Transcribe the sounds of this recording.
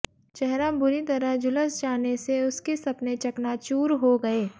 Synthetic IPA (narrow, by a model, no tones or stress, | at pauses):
t͡ʃɛɦɾãbʊɾit̪ɐɾəɦd͡ʒʊləsd͡ʒaːneseʊskisɐpnet͡ʃɐknat͡ʃuːɾɦoɡɐeː